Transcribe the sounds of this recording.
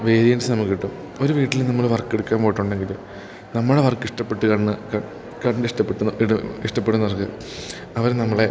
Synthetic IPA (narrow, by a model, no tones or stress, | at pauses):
ʋe̞ːɾijɐnɖɨsɨnɐmːɐkːiʈːum | o̞ɾuʋiːʈːilnɐmːɐɭʋɐrkːeɽukːaːmpoːjiʈːuɳɖe̞ŋɡil | nɐmːɐɭɽeʋɐrkːiʂʈɐpːe̞ʈːɨkɐɳːɨkɐ | kɐɳɖɨiʂʈɐpːeʈːuiɽuiʂʈɐpːeʈːunɐrkːɨ | ɐʋɐɾnɐmːɐɭe